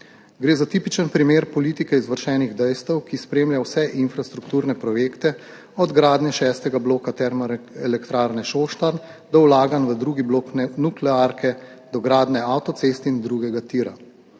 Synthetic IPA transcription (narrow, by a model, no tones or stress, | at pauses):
ɡɾeːzat̪iːpit͡ʃənpɾimeːɾpɔliːt̪ikɛizʋəɾʃɛːniɣd̪ɛjst̪əwkispɾeːmljawsɛʔinfɾast̪ɾukt̪uːɾnɛpɾɔjeːkt̪ɛ | ɔd̪ɡɾaːd̪nɛʃɛːst̪ɛɡabloːkat̪ɛɾmɔɛlɛkt̪ɾaːɾnɛʃoːʃt̪aɾn | d̪ɔwlaːɡanʋəd̪ɾuːɡibloːknɛnuklɛaːɾkɛ | d̪ɔɡɾaːd̪nɛawt̪ɔt̪sest̪ind̪ɾuɡɛɡat̪iːɾa̰